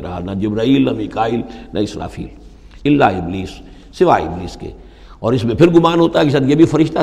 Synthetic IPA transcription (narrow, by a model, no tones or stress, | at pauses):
ɾaɦanɐd͡ʒɪbɾaːiːlnɐmikaːilnʔɐɪsɾa̰ːfḭːl | ɪlːa̰ːɪbliːsː | ɪʋaːɪ̰bliːskḛ | ɔːɾɪsmẽpʰɪɾɡʊmaːnɦoːt̪aɦɛkis̬ad̪jebʱifɐɾɪʃt̪a